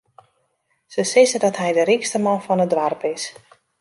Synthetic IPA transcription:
səsɪzədɔtɦɛjdəɾikstəmɔnfɔnədʋarpɪs

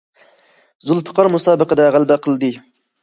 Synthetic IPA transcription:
zulˠpʰə̥qɑɾmusɑːbəqəd̪ɑʁælbæqʰəlˠd̪ɨ

